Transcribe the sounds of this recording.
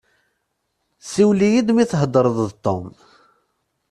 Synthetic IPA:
siwlijid̪miθɦəd̪ˤəɾˤəððt̪ˤːom

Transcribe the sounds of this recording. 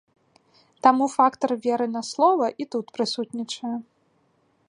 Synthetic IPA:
t̪amufakt̪ɐrvʲɛɾɨnɐslˠɔvɐʔit̪ut̪pɾɨsut̪nʲit͡ʂɐjɛ

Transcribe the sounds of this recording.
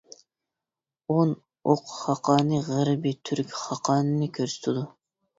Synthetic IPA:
on | oqʰχɑqʰɑːnɨʁəɾbit̪ʰyɾkʲχɑqʰɑːnɨnɨkʲʰøɾsy̥t̪ʰɪd̪u

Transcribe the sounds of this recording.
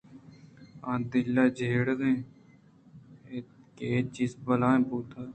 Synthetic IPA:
ãːd̪ɪlːaːd͡ʒeːɽɡẽː | ket͡ʃiːzbəlãːẽːpuːt̪aː

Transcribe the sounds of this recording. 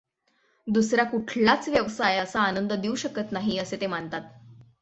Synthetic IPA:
d̪usɾjakuʈʰlat͡sʋjəʋsajəsaːnənd̪əd̪iuɕəkət̪naɦiəset̪emaɳt̪at̪̚

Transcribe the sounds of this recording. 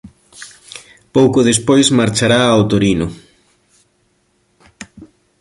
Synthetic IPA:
powkʊðespojsmaɾt͡ʃaɾaːwt̪oɾinʊ

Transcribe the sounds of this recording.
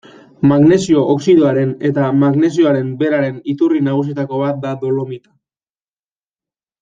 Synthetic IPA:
maɣne̞sio̞ʔoksiðoaɾe̞ne̞t̪amaɣne̞s̬io̞aɾe̞mbe̞ɾaɾe̞nit̪urinaɣ̞us̬iet̪ako̞βat̪̚d̪ad̪o̞lomit̪ḁ

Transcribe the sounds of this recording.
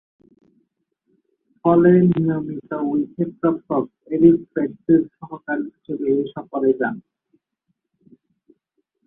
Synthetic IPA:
fɔlenijomit̪ouikʰepɾɔpt̪ob̚ | eɖikfeʈsiɾʃɔɦokaɾit͡ɕʰebeːʃɔpoɾed͡ʑan

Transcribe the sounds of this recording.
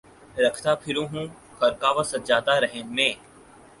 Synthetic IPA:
ɾɐkʰt̪apʰɪɾũːɦũː | xɐɾkaːʋasɐt̪d͡ʒaːd̪aɾəɦẽnmẽː

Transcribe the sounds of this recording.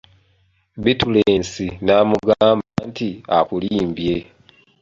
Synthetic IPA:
βituleːnsinaːmuɡaːmbantiakuliːmbje

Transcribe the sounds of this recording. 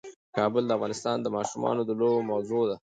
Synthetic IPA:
kɑbəld̪əafɣɑnɪst̪ɑnd̪əmɑʃumɑ̰nod̪əlobmawzod̪a

